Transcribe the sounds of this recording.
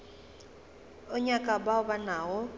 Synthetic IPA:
ʊɲakʼabaʊbanaːɔ

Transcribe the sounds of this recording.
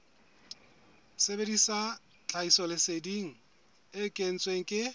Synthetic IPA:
sebedisa | t͡ɬʰʼaisɔlɪsediŋ̩ | ɪkʼen̩t͡sʼweŋ̩kʼɪ

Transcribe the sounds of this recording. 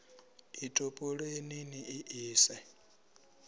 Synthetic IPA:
itʼopʼoɺeniniʔiʔiːsɛ

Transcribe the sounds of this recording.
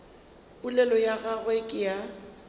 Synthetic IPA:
bulɛlɔjaɣaɣwekʼɪja

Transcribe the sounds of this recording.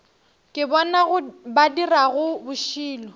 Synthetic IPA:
kʼɪbɔnaɣʊbadiraɣʊbʊʃiːlɔ

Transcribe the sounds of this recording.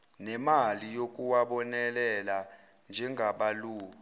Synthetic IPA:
nɛmalijok̬ʼuwaɓɔnɛlɛla | nd͡ʒʱɛŋʱaɓaluː

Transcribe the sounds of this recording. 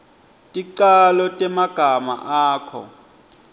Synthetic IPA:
tʼiǃalɔtʼɛmaɡ̥ʱama̰ʔaːkʰɔ̰

